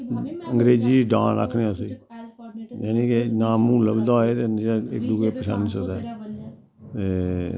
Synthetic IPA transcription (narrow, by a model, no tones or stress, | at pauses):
ə̃ŋɡɾeːd͡ʒiːɖã̰ːɾə̰kʰːnẽʊsiː | jaːnĩːkenãːmũːləbd̪aːeːt̪eaɪ̰k̚d̪uːeːpəsə̰ns̬əkd̪ɛː | t̪eː